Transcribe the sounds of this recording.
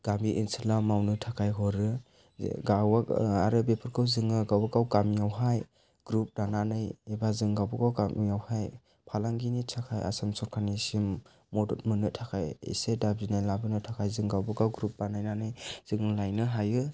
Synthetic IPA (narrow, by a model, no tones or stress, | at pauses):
ɡ̥amiʔinsilamawnɯtʰakʰajɦɔɾɯ̰ | ɡawaaɾɯbepʰɯɾkʰɯwzɯŋɯɡawbakawɡamijawɦaj | ɡ̥ɾup̚ɾananɯjebazɯŋɡawbɯkawkamijawhaj | pʰalaŋɡinitʰakʰaja̰samsɔɾkʰanisimː | ɔdɔt̚mɯnɯtʰakʰajḛsedab̚zinajlabɯnɯtʰakʰajzɯŋɡawbɯkawɡɾup̚ɾanajnanɯjz̥ɯŋɯlajnɯɦajɯ